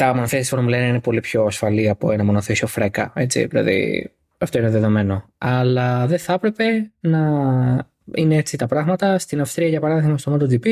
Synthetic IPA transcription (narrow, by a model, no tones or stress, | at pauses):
t̪ɐmo̞noθiɐsi̥fonɐmulenɐinepo̞lipço̞ɐsfɐliɐpoenɐmo̞noθisio̞fɾe̞kɐ̰e̞t͡sḭðilɐ̰ðḭ | ɐft̪oineðeðo̞me̞no̞ | ɐlɐðe̞θɐpɾe̞pe̞nɐ | ineet͡sit̪ɐpɾɐɣmɐt̪ɐst̪inɐfst̪ɾiɐʝɐpɐɾɐðiɣmɐst̪omɐt̪od͡zipi